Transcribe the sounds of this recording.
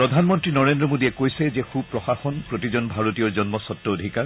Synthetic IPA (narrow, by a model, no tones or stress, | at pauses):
pɹɔdʱanmɔntɹinɔɹendɹɔmodiɛkojsɛzɛxub̚pɹɔxaxɔnpɹotizɔnbʱaɹotijɔɹzɔnmɔsɔtːɔodʱikaɹ